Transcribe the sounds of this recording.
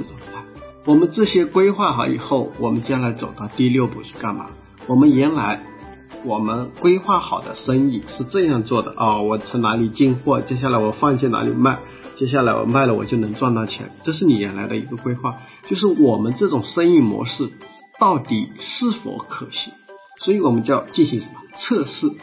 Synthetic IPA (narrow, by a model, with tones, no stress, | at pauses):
a˥˩wɔ˨˩mə˦nʈ͡ʂɤ˥˩ɕjɛ˥kwe˥ɪxwa˥˩xɑ˨˧˥ḭ˨˩xo˥˩ʊwɔ˨˩mə˦nt͡ɕjɛ˥nla˧˥ɪt͡so˨˩ʊt̪ɑ˥˧ʊt̪i˥˧ljo˥˩ʊpṵ˨˩ʂʰi̥˥˩ka˥˩nma̰˨˥ | wɔ˨˩mə˦njɛ˧˥nla˧˥ɪ | wɔ˨˩mə˦nkwe˥ɪxwa˥˩xɑ˨˩ʊd̪ə̰˦ʂə˥ŋi˥˩ʂɻ̩˥˧ʈ͡ʂɤ˥˧njɑ˥˧ŋt͡swɔ˥˩d̪ə̰˩ʔɔ˥˩wɔ˨˩t͡sʰɤ˧˥ŋna˧˥li˨˩t͡ɕi˥˧ŋxwɔ˥˩t͡ɕjɛ˥ɕ̬ja˥˩la˧˥ɪwɔ˨˩fɑ˥˧ŋɕ̬ʰjɛ˥˩na̰˧˥lḭ˨˩ma˥˩ɪ | t͡ɕjɛ˥ɕja˥˩la˧˥ɪwɔ̰˨˩ma˥˩ɪlə˩wɔ̰˨˩t͡ɕjo˥˩nɤ˧˥ŋt͡swa˥˧nt̪ɑ˥˩t͡ɕʰjɛ̰˧˥nʈ͡ʂɤ˥˧ʂɻ̩˥˩ni˨˩jɛ˧˥nla˧˥ɪd̪ə˧ḭ˧˥ɡə˧kwe˥ɪxwa˥˩ | t͡ɕjo˥˧ʊʂ̬ɻ̩˥˩wɔ˨˩mə˦nʈ͡ʂɤ˥˩ʈ͡ʂʊ˨˩ŋʂə˥ŋi˥˩mwɔ̰˧˥ʂɻ̩˥˩ | t̪ɑ˥˩ʊt̪i˨˩ʂɻ̩˥˩fɔ̰˧˥kʰɤ˨˩˦ɕi˧˥ŋ | swɔ˧˥i˧˥wɔ˨˩mə˦nt͡ɕjɑ˥˧ʊt͡ɕi˥˩nɕi˧˥ʂə˧˥mə˧t͡sʰɤ˥˧ʂɻ̩˥˩